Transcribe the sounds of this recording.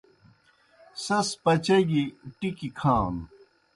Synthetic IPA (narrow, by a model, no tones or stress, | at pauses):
sɐspɐt͡ɕɐɡiʈikikʰaːn